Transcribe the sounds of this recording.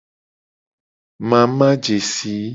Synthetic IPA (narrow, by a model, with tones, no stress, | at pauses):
mã˨mã˦d͡ʒe˨si˨˦